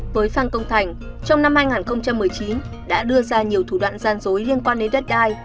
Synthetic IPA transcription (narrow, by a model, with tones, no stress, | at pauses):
vəː˨˦jfaː˧nkə˧wŋ͡mt̪ʰa˨˩jŋ̟ | t͡ɕɔ˧wŋ͡mna˧mhaː˧jŋaː˨˩nxə˧wŋ͡mt͡ɕa˧mːɨ˨˩əjt͡ɕi˨˦n | ɗa̰ː˧˥ɗɨ˧əzaː˧ɲi˨˩əwt̪ʰu˧˩ɗwa̰ː˧˨nzaː˧nzo˨˦jli˧ənkwaː˧nɗe˨˦nɗə˦˥t̚ɗaː˧j